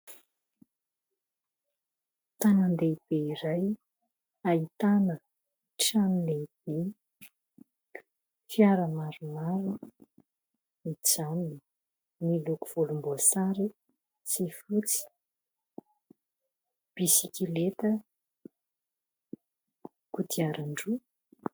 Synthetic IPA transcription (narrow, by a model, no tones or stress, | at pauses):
t̪anand̪eib̥eiɾaj | ait̪anə | ʈ͡ʂanileb̥i | fjaɾəmaɾumaɾu | mit͡sanini | miluku̥v̥ulumbuasaɾi | sifut͡si̥ | b̥isikilet̪ə | kut̪ʰiaɾaɳɖ͡ʐu